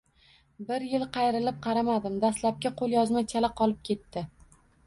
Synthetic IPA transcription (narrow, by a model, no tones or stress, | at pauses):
bɪɾjɪlqʰɑjɾɪlɪp̚qʰɑɾamad̪ɪmd̪aslap̚kʲaqʰolˠjɒzmat͡ʃʰalaqʰɒlˠɪp̚kʲʰe̞t̪ːɪ